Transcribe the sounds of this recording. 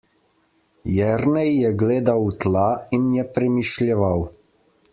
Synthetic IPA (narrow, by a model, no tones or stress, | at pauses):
jɛɾnɛjːɛɡleːd̪awt̪lainjɛpɾɛmiʃljɛʋaw